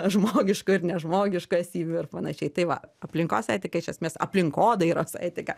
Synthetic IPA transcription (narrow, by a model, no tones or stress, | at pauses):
ʒmoːɡʲɪʃkʊɪɾnʲɛʒmoːɡʲɪʃkʊɛsʲiːʋʲʊɪrpɐnɐʃʲɛɪt̪ɐɪʋɐ̰ɐpʲlʲɪŋkoːsɐɪt̪ʲɪkɐɪʃʲɛsʲmʲeːsɐ̰pʲlʲɪŋkoːd̪ɐɪɾoːsɐ̰ɪtʲɪkɐ